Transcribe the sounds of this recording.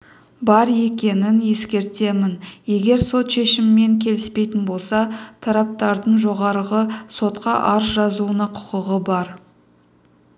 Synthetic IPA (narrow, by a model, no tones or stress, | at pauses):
bɑɾje̞kʲe̞nɪnje̞skʲe̞ɾt̪e̞mɪnje̞ɡʲe̞ɾso̞t̪ʃe̞ʃɪmɪme̞ŋkʲʰe̞lɪspe̞jt̪ɪnbo̞lˠsɑt̪ʰɑɾɑp̚t̪ɑɾd̪əɴʒo̞ʁɑɾəʁəso̞t̪qɑʔɑɾsʒɑzuənɑqʰʊ̥qəʁəbɑɾ